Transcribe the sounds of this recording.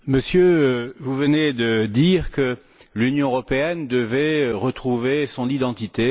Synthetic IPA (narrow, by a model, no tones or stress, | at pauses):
məsjøvuvəned̪əd̪iʁkə | lynjɔ̃øʁɔpeɛnd̪əvɛʁət̪χuvesɔ̃nid̪ɑ̃t̪it̪e